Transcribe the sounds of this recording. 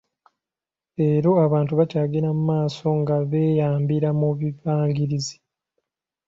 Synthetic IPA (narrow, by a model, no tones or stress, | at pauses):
e̞ɾo̞aβaːntuβacaːɡiɾamumaːso̞ŋɡaβe̞ːjaːmbiɾamuβivaːŋɡiɾizi̥